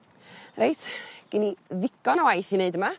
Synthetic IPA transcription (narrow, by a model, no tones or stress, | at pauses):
rejtʰɡ̥ɪniðɪkɔnawajθineɨdəma